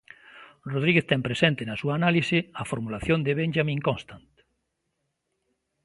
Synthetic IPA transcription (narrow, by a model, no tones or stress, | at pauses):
roð̞ɾiɣeθt̪ɛmpɾesent̪ɪnɐsuaːnalisɪɐfoɾmulaθjond̪eβenʒamĩŋkonst̪ant̪